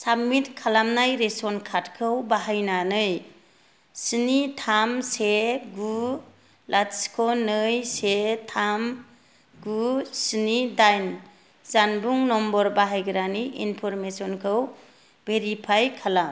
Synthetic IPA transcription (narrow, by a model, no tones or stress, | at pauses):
samitkʰalamnajɾesɔnkʰatkʰɯwbaɦajnanɯj | sinitʰamseɡu | lʔatskʰɔnɯjsetʰam | ɡusɯnidajn | zanbuŋnɔmbɔɾbaɦajɡɯɾaniʔḭnpʰɔɾmesɔnkʰɯw | b̥eɾipʰajkʰalam